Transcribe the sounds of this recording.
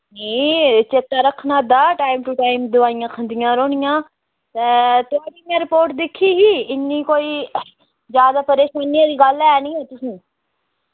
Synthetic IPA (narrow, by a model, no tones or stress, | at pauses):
nĩːt͡ʃeːt̪aːɾəkʰːnaːd̪aːʈaːɪmʈʊʈaːɪmd̪ʊʋaːɪjãːkʰə̃nd̪ɪjãːɾoːnɪjãː | t̪eːt̪ʊaːɽiːmãɾɪpoːɾʈd̪ɪkʰːiːɦiːɪnːiːkoːiː | zjaːd̪aːpəɾeːʃaːnijãːd̪iːɡəlɛːnĩːɦeːt̪ʊsĩː